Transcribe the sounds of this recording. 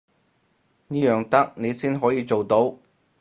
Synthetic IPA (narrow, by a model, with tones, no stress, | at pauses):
niː˥jœː˨ŋt̪ɐ˥k̚ne˨˧jsiː˥nɦɔː˨˥jiː˨˧t͡ʃo˨wt̪o˨˥w